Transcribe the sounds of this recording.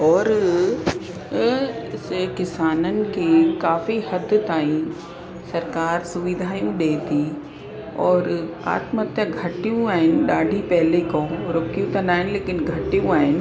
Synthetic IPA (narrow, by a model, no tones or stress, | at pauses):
ɔːɾ | skɪsaːnənɪ̆kekaːfihɐd̪ʱt̪aːĩ | sɐɾkaːɾsʊʋɪd̪ʱaːjũɗeːt̪ʰi | ɔːɾa̰ːt̪mət̪jəɡʱɐʈijũaːɦɪnɪɗaːɖʱipɛɦlekõːɾoːkijũt̪ɐnaːɦɪnleːkɪnɡʱɐʈijũaːɦɪnɪ̆